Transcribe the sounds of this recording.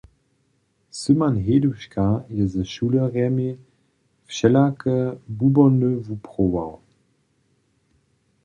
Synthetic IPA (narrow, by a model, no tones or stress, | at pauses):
symanɦeːduʃkajəzəʃuːləʁɛme | fʃɛlakəbubɔnøvupʰʁoa̰w